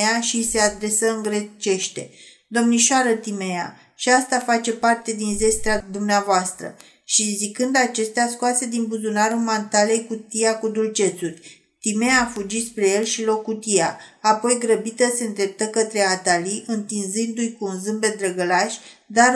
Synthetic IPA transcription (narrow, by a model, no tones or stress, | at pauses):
aʃise̞ad̪ɾe̞səɨŋɡɾet͡ʃe̞ʃt̪e̞ | d̪o̞mniʃaɾət̪imea̰ | ʃiast̪afat͡ʃe̞part̪e̞d̪inze̞st̪ɾad̪umneavoast̪ɾə̰ | ʃizikɨnd̪at͡ʃe̞st̪easkoase̞d̪inbuzunaɾumant̪ale̞jkut̪iakud̪ult͡ʃe̞t̪surʲ | t̪ime̞afud͡ʒispɾe̞je̞lʃilo̞kːut̪ijaːpo̞jɡɾəbit̪əse̞ɨnd̪ɾe̞p̚t̪əkət̪ɾe̞at̪aliʔɨnt̪inzɨnd̪ujkuːnzɨmbe̞d̪ɾəɡəlaʃʲd̪a